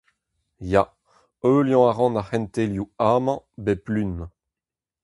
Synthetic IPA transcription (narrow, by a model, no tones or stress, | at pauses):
ja | øːljɔ̃aʁɑ̃naχɛnt̪eljuamɑ̃beplyn